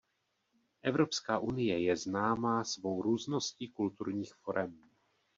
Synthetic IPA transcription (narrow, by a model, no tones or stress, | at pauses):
ʔɛvɾo̞pskaːʔunɪjɛjɛznaːmaːsvo̞wɾuːzno̞sciːkult̪uɾɲiːxfo̞ɾʔɛm